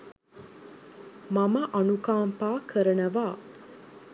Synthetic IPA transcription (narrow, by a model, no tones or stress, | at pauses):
maməʔɐnukaːmpaːkʰəɾənəʋaː